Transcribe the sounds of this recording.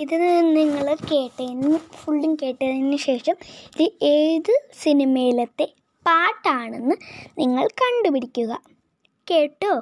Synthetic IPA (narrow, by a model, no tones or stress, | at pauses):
iðɨniŋːɐɭke̞ːʈːɐjnːɨfuɭɖiŋke̞ːʈːɐinːɨɕe̞ːʂɐmiðɨeːðɨsinimejilɐt̪ːe̞ | paːʈːaːɳe̞nːɨniŋːɐɭkɐɳɖupiɽikʲːuɣɐ | keːʈːoː